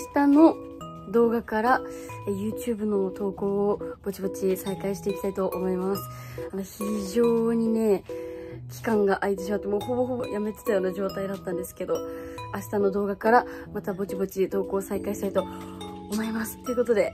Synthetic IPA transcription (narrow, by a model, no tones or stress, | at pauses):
aɕi̥t̪ano̞ | d̪o̞ːɡakaɾaejɯ̟ːt͡ɕɨ̟ːbɯ̟no̞t̪o̞ːko̞ːb̥o̞t͡ɕibo̞t͡ɕisaikaiɕi̥t̪e̞ikʲi̥ait̪o̞ʔːmo̞imasɨ̥ano̞çiʑo̞ːɲ̟ine̞ | kʲi̥kãŋɡaʔait̪e̞ɕ̬imat̪ːemo̞ːhoɦojʔame̞t̪e̞̥t̪ajo̞ːnaʑo̞ːt̪aid̪at̪ːãnd̪e̞sɨ̥ke̞d̪o̞aɕi̥t̪ano̞d̪o̞ːɡakaɾamat̪abo̞t͡ɕibo̞t͡ɕit̪o̞ːko̞ːsaikaiɕi̥t̪ait̪o̞ | omo̞imasɨ̥t̪ːe̞iɯ̟ko̞t̪o̞d̪e̞